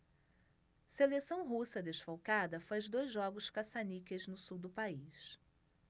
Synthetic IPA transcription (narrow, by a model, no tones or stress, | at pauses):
selesɐ̃w̃ɦusɐd̪eʃfowkad̪ɐfajzd̪ojzʒɔɡʊʃkasanikeznʊsuwd̪ʊpais